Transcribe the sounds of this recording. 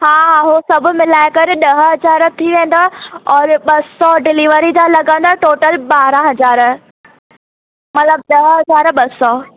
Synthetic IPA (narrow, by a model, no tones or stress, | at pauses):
ɦaːɦaːɦosɐbʱʊ̆mɪlaːɪkɐɾɪɗɐɦəɦɐd͡ʑaːɾ̆t̪ʰiʋẽːnd̪aɔːɾɓɐsɔɖɪliʋəɾid͡ʑalɐɡə̃nd̪aːʈoːʈəlɓaːɾãɦɐd͡ʑaːɾə | mɐt̪ləb̚ɗɐɦɦɐzaːɾɓɐsɔ